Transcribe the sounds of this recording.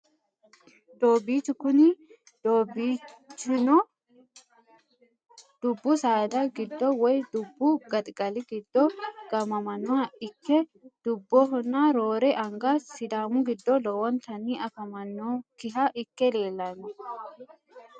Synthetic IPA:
d̪̥oːbit͡ʃːʊkʊnɪ | d̪obit͡ʃːʊnɔ | d̪̥ʊbːʊsaːd̪ɐɡɪd̪ːɔwɔjd̪ʊbːʊɡɐt̪ʼɡɐlɪɡɪd̪ːɔɡ̥ɐmɐmɐnːɔhɐɪkːɛd̪̥ʊbːɔɦɔnːaɾoːɾɛʔɐŋɡasɪd̪aːmʊɡɪd̪ːɔlɔwɐnt̪ɐnːiʔɐfɐmɐnːɔkɪɦɐʔɪkːɛleːlːɐnːʊ

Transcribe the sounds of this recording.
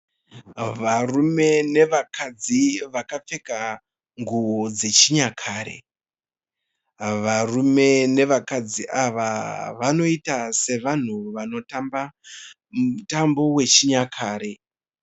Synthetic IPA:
ʋarume̞ne̞ʋakad͡ziʋakap͡fe̞ka | ŋɡuʋo̞d͡ze̞t͡ʃiɲakʰaːɾḛ | ʋarume̞ne̞ʋakad͡ziʔaʋaʋano̞itase̞ʋan̤uʋano̞tamba | mutambo̞we̞t͡ʃiɲakʰaːɾe̞

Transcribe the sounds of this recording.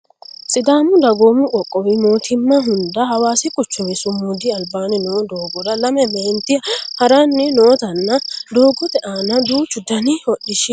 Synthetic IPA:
sʼɪd̪aːmʊd̪ɐɡoːmʊʔɔkʼːɔwɪmo̞ːt̪ʰɪmːɐɦʊnd̪ɐhɐwaːsɪkʼʊt͡ʃːɔwɛsʊmʊd̪ɪɐlbaːnɛnoːd̪oːɡɔd̪ɐlɐmɛmɛnt̪ɪhɐɾanːɪnoːt̪ɐnːɐd̪o̞ːɡɔt̪ɛʔanɐd̪uːt͡ʃːʊd̪ɐnɪɔɗɪʃɪ

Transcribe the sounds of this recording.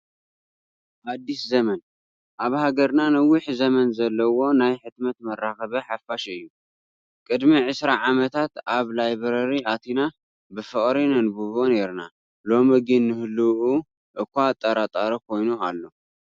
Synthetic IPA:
ʔad̪ːiszɐmɐn | ʔaβhaɡɐɾnanɐwːɪħzɐmɐnzɐlːɐwo̞najħɨt̪mɐt̪mɐraxɐβɐħafaʃɨjːu | kʼɨd̪miʕɨsɾaʕamɐt̪ʰat̪aβlajβɾɐɾiat̪ʰina | bɨfɨkʼɾinɐnbuβone̞ɾna̰ | lo̞mɨɡinːɨhɨlːuʔu | ʔɨkʷːat̪ʼːɐɾat̪ʼaɾɐkʰo̞jnualːo̞

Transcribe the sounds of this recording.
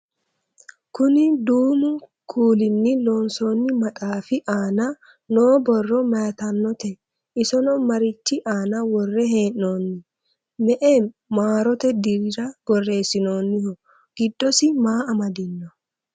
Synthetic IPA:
kʊnɪd̪uːmʊ | kʰuːlɪnːɪloːnsoːnːɪmɐt̪ʼaːfɪʔaːnɐ | noːbɔrːɔmɐjɐt̪ɐnːɔt̪ɛ | ɪsɔnɔmɐɾɪt͡ʃːɪʔaːnɐwɔrːɛɦe̞ːnːo̞ːnːɪ | mɛʔen | maːɾɔt̪ɛd̪ɪɾɪɾɐɡɔrːe̞ːsɪno̞ːnːɪhɔ | ɡ̥ɪd̪ːɔsɪmaːɐmɐd̪ɪnːɔ

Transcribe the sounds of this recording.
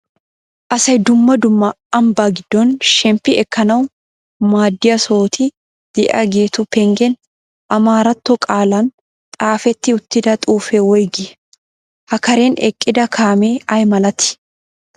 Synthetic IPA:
ʔɐsɐjd̪ʊmːɐd̪ʊmːɐ | ɐmbaːɡɪd̪̥ːɔnʃɛmpːɪɛkːɐnɐw | maːd̪ːɪjɐsoːt̪ʰɪ | d̪̥ɛʔɐɡe̞ːt̪ʊpɛŋɡɛn | ʔɐmaːɾɐt̪ːɔkʼaːlɐn | t̪ʼaːfɛt̪ːɪʊt̪ːɪd̪ɐt̪ʼuːfɛwɔjɡɪ | hɐkɐɾeːnɛkʼːɪd̪ɐkʰaːmeːʔɐjmɐlɐt̪ɪ̥

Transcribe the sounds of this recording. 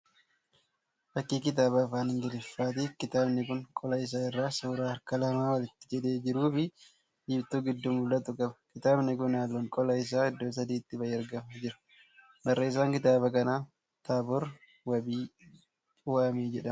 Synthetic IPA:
fɐkːiːkɪt̪̬aːbɐfaːnɪŋɡɪlɪfːaːt̪ikɪt̪aːbnɪkʊŋkʼɔlɐɪs̬aːɪrːaːsuːɾaːɐɾkɐlɐmaːwɐlɪt̪ːɪd͡ʒɛᶑe̞ːd͡ʒɪɾuːfɪ | d͡ʒɪbt̪uːɡɪd̪ːʊmʊlɐt̪ʊkʼɐbɐ̥kɪt̪aːbnɪkʊnaːlːɔŋkʼɔlɐɪs̬aːɪd̪ːoːs̬ɐd̪iːt̪ːɪbɐjeːɐɾɡɐmɐd͡ʒɪɾɐ̥ | d̪ɐrːɐɪs̬aːŋkɪt̪aːbɐkɐnaː | t̪aːbɔɾ | wɐbiː | ʊwaːmeːd͡ʒɛᶑɐm

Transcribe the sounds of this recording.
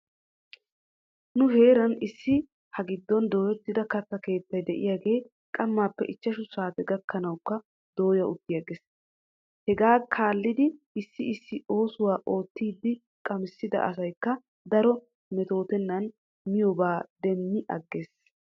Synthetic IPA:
nʊɦe̞ːɾɐnɪsːɪ | hɐɡɪd̪ːɔnd̪o̞ːjɛt̪ːɪd̪ɐkɐt̪ːɐke̞ːt̪ːɐjd̪ɛʔɪjaːɡe̞ː | kʼɐmːaːpːɛ̰ʔɪt͡ʃːɐʃʊsaːt̪ɛɡɐkːɐnɐwkːɐ | d̪̥o̞ːjɐʊt̪ːɪjɐɡeːs | hɛɡaːkʰaːlːɪd̪ɪ | ɪsːɪɪsːɪo̞ːsʊwaːʔo̞ːt̪ːiːd̪ːɪ | kʼɐmɪsːɪd̪ɐ̰ʔɐ̰s̬ɐjkːɐ | d̪ɐɾɔ | mɛt̪o̞ːt̪ɛnːɐn | mɪjɔbaːd̪ɛmːɪʔɐ̰ɡːe̞ːs

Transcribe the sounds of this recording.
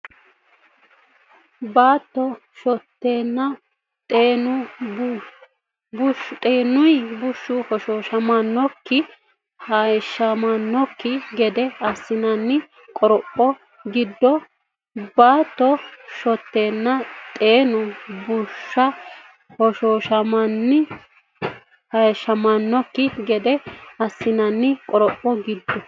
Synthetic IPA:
baːt̪ːɔ | ʃɔt̪ːeːnːɐ | t̪ʼeːnʊ | bʊʃt̪ʼeːnːʊjbʊʃːʊhɔʃoːʃɐmɐnːɔkːɪ | hɐʃːɐmɐnːɔkːɪɡɛd̪ɛɐsːɪnɐnːɪ | kʼɔɾɔpʼːɔ | ɡɪd̪ːɔ | baːt̪ːɔʃɔt̪ːe̞ːnːɐt̪ʼeːnʊbʊʃːɐ | hɔʃoːʃɐmɐnːɪ | hɐʃːɐmɐnːɔkːɪɡɛd̪ɛɐsːɪnɐnːɪkʼɔɾɔpʼːɔɡɪd̪ːɔ

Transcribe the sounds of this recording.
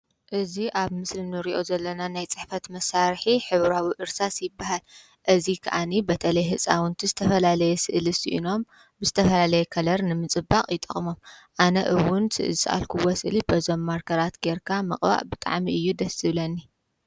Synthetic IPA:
ʔɨziʔaβmɨslinɨɾiʔo̞zɐlːɐnanajt͡sʼɨħfɐt̪mɐsːaɾħiħɨβɾawiʔɨɾsasjɪbːaɦal | ʔɨzikʰɐ̰ʔanibɐt̪ʰɐlɐjɦɨt͡sʼawɨnt̪ʰizɨt̪ʰɐfɐlalɐjɛsɨʔlisḭʔḭno̞m | bɨzɨt̪ʰɐfɐlalɐjɛkʰɐlɐɾnɨmɨt͡sʼɨbːaqʼjɪt̪ʼɐχʼmo̞mʔanɐʔɨwʊnsɨ̰ʔɨlsʔa̰lkʰuwosɨʔlibɐzomːaɾkʰɐɾat̪ɡeɾkʰamɐχʼba̰ʔbɨt̪ʼa̰ʕmiɨjːud̪ɐsɨβlɐnːi

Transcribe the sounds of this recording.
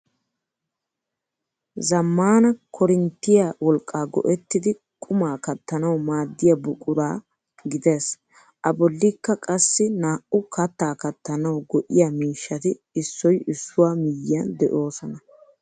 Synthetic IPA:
zɐmːaːnɐkʰɔɾɪnt̪ːɪjawɔlkʼːaːɡɔ̰ʔɛt̪ːɪd̪ɪ | kʼʊmaːkɐt̪ːɐnɐwmaːd̪ːɪjɐbʊkʼʊɾaː | ɡɪd̪e̞ːs | ʔɐbɔlːɪkːɐkʼɐsːɪnaːʔʊkʰɐt̪ːaːkɐt̪ːɐnɐwɡɔʔɪjamiːʃːɐt̪ɪ | ɪsːɔjɪsːʊwaːmɪjːɐnd̪ɛʔo̞ːsɔnɐ

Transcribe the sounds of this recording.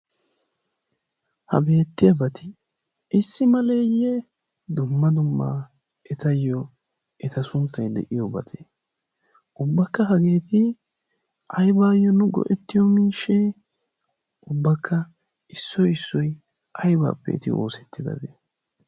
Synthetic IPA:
hɐ̰be̞ːt̪ːɪjɐbɐt̪ɪ | ɪsːɪmɐle̞ːjːɛ | d̪ʊmːɐd̪ʊmːa | ɛt̪ɐjːɔ | ʔɛt̪ɐsʊnt̪ːɐjd̪ɛ̰ʔɪjɔbɐ̰t̪ʰe | ʔʊbːɐkːɐɦɐɡe̞ːt̪ɪ | ʔɐjbaːjːɔnʊɡɔ̰ʔɛt̪ːɪjɔmiːʃɛ | ʔʊbːɐkʰːɐ | ɪsːɔjɪsːɔj | ʔɐjba̰ːpːɛ̰t̪ɪo̞̰ːsɛt̪ːɪd̪ɐ̰bḛː

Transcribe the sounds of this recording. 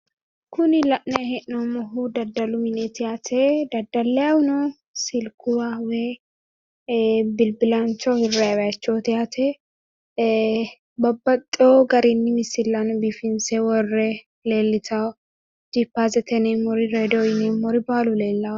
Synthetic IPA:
kʊnɪlɐʔnɛhɛʔnɔmɔɦud̪ɐd̪ːɐlʊmɪnɛt̪ɪjaːt̪ʰɛd̪ɐd̪ɐlːɛjawʊnɔ | sɪlkʊɾawɛ | bɪlbɪlɐnt͡ʃːɔhɪrːawɐɐt͡ʃːoːt̪ɪjaːt̪ʰɛ | bɐbːɐt̪ʼːɪoːɡɐɾɛnːɪmɪsɪlːanbifɪnsɛwɔrːɛ | leːlːɪt̪ʰaw | d͡ʒɪpːaːzɛt̪ɛneːmɔɾɪɾeːd̪ojɪnemɔɾɪbaːlʊleːlːɐ

